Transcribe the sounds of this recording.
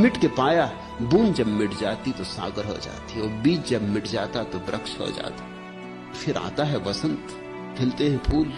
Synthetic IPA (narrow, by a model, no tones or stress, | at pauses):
mɪʈkepaːja | buːnd͡ʒɐbmɪʈʰd͡ʒaːt̪it̪osa̰ːɡəɾɦo̰d͡ʒa̰ːt̪iɔːɾbiːt͡ʃd͡ʒɐbmɪʈʰd͡ʒaːt̪at̪obɾʔɐkʃɦo̰d͡ʒa̰ːt̪ḁ | fʰɪɾa̰ːt̪aɦɛʋɐsə̃nt̪ | fʰɪlt̪eɦɛ̃pʰuːl